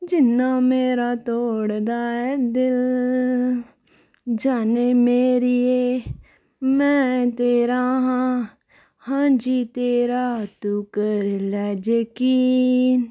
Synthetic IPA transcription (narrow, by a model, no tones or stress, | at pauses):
d͡ʒɪnːãːmeːɾaːt̪oːɽd̪aːɛd̪ɪl | d͡ʒaːneːmeːɾieː | mɛ̃ːt̪eːɾaːɦãː | hãːd͡ʒit̪eːɾaːt̪uːkəɾlɛːd͡ʒəkiːn